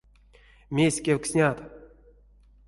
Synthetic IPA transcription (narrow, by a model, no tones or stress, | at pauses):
mʲesʲkʲewksʲnʲat̪